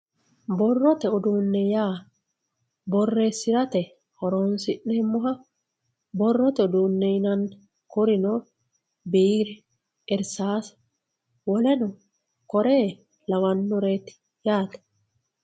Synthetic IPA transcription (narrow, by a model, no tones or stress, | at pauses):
bɔrːɔt̪ɛʊd̪uːnːɛjaː | bɔrːeːsːɪɾɐt̪ɛ | hɔɾoːnsɪʔnɛɪmːʊɦɐ | bɔrːɔt̪ɛʊd̪uːnːɛjnɐn | kʊɾɪnɔ | biːɾɛ | ɛɾsaːsɐ̥ | wɔlɛnɔ | kɔɾeː | lɐwɐnːɔɾeːt̪ | jaːt̪ɐ̥